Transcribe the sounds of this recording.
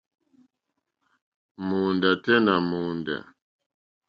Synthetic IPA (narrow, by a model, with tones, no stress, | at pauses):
mu˨nda˨tɛ˦na˨mu˨nda̰˨